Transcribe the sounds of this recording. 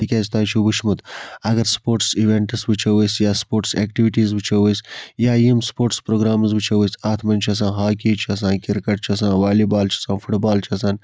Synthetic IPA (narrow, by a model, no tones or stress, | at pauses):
ikʲaːzt̪aːt͡ʃʰubuʃmut̪ɐɡɐɾspoːɾʈsiʋeɳʈɨsbɨt͡ʃʰɐʋəsjaːspoːɾʈseːkʈiʋiʈiːzbɨt͡ʃʰɐʋəsʲjaːimspoːɾʈspɾoːɡɾaːmzbɨt͡ʃʰɐʋusaːt̪ʰmɐnʲt͡ʃʰiɐs̬ãːɦaːkiːt͡ʃʰiɐs̬ãːkiɾkɐʈt͡ʃʰɐs̬ãːʋaːliːbaːlt͡ʃʰiɐsãːfuʈbaːlt͡ʃʰiɐsaːn